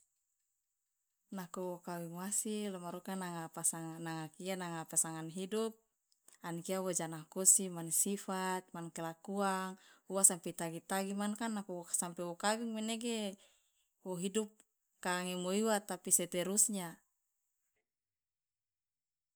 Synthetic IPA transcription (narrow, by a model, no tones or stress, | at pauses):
nakuwɔkawiŋwasilamaɾukanaŋapasaŋnaŋakianaŋapasaŋanɦidup̚ | ankiawod͡ʒanakɔsimansifat̪̚mankɛlakuaŋuwasampɛt̪aɡit̪aɡimankanːakuwoasampɛwokawiŋmeneɡe | woɦidup̚ | kaːŋemoiwat̪apisɛt̪ɛɾusɲa